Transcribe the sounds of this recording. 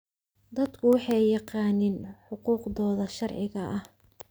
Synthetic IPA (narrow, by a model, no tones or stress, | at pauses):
d̪ɐd̪kʰʊwɑħɑjjɑqɑːnɪnħʊquːqðɔːðɐʃɐrʕɪɣɐʔɐh